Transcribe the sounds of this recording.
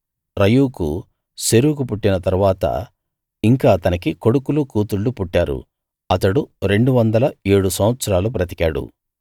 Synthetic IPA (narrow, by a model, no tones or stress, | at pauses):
ɾɐjuːkṵ | seɾuːkupuʈːinɐt̪ɐɾuʋaːt̪ɐ̰ | iŋkaːt̪ɐnikiko̞ɽukulukuːt̪uɭːupuʈːaːɾṵ | ɐt̪ɐɽuɾe̞ɳɖuʋɐnd̪ɐlɐeːɽusɐmʋɐt̪sɐɾaːlupɾɐt̪i̥kaːɽṵ